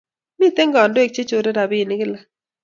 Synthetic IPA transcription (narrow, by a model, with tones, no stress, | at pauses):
mi˦t̪e˦ŋɡɔ˨ndo˦e˨k̚t͡ʃe˦t͡ʃo˨ɾe˦ɾa˨bi˦˨nɪ˦ɡɪ˦la˨